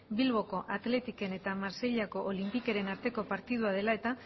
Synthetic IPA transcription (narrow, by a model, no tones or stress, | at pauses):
bilβ̞o̞ko̞ʔat̪le̞t̪ike̞ne̞t̪amaɾse̞ʎako̞ʔolimpike̞ɾe̞naɾt̪e̞ko̞paɾt̪iðuað̞e̞lae̞t̪a